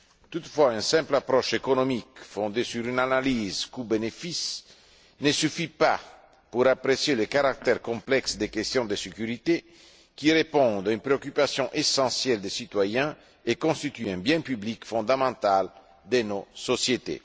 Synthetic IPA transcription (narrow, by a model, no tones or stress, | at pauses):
t̪ut̪fwaynsɛ̃mplapɾɔʃekonomikfɔ̃nd̪esyɾynanalizkubenefis | nesyfipa | puɾapɾesjelekaɾak̚t̪ɛɾkɔ̃mplɛksd̪ekest̪jɔ̃d̪esekyɾit̪e | kiɾepɔ̃d̪aynpɾeokypasjɔ̃ʔesɑ̃sjɛld̪esit̪wajɛ̃ | ekɔ̃st̪it̪yɛ̃bjɛ̃pyblikfɔ̃nd̪amɑ̃nt̪al | d̪enososjet̪ḛ